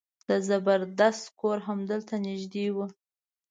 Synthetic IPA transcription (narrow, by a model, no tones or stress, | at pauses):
d̪̥əzabəɾd̪ast̪koɾɦamd̪əlt̪anɪʒd̪ewu